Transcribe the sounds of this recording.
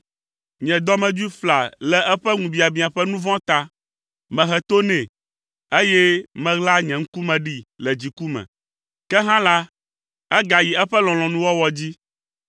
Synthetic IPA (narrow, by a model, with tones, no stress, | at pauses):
ɲɛ̃˨d̪ɔ˦mɛ̃˨d͡ʒu˦i˦fla˨lɛ˨ʔɛ˦ɸɛ˦ŋũ˨bi˨a˨bĩ˦a˨ɸɛ˦nũ˦vɔ̃˦t̪a˦ | mɛ̃˨ɦɛ˨t̪o˦nɛ̃˨ | e˦jɛ˦mɛ̃˦ɣla˦ɲɛ̃˨ŋ̩̃˦ku˦mɛ̃˨ɖi˦lɛ˨d͡ʑi˨ku˦mɛ̰̃˨ | kɛ˦ɦã˦la˦ | ɛ˦ɡa˨ji˨ɛ˦ɸɛ˦lɔ̃˨lɔ̃˨nũ˦wɔ˦wɔ˦d͡ʑi˦